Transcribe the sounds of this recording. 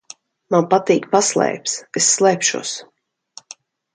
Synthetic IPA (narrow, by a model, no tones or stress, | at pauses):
manpat̪iːkpaslˠɛ̰ːpsesːlˠɛjpʃṵɔs